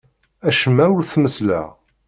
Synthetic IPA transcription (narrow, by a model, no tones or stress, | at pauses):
æʃəmːæwlθməslæ̰